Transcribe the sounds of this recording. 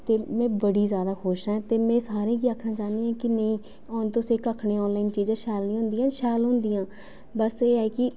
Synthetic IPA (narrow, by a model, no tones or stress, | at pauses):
t̪eːmɛ̃ːbəɽiːzjaːd̪aːxʰoːʃɦɛ̃ːt̪eːmɛ̃ːsaːɾẽːkiːaːkʰnaːt͡ʃaːnd̪iːɛ̃ːkɪnəĩː | nt̪õːseːkəkʰnẽːɔːnlaːint͡ʃiːd͡ʒãːʃɛːlnĩːɦʊ̃nd̪ijãːʃɛːlɦʊ̃nd̪ijãː | bəseːɛːkɪ